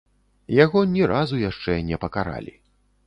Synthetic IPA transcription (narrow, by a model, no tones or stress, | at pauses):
jaɣɔnʲɛɾʔazujaʂt͡ʂɛnʲɛpɐkaɾa̰lʲi